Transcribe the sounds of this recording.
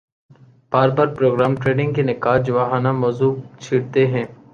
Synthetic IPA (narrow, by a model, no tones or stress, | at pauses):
b̥aːɾbaːɾpɾoːɡɾaːmʈɾeːɖɪ̃ŋɡkenɪkaːd͡ʒʊʋaːɦaːnamɔːzuːbt͡ʃʰiːɽt̪eɦɛ̃ː